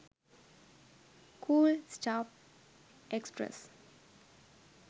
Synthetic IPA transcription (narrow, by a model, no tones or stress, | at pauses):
kʰuːlsʈaːp | ʔekspɾɛ̰s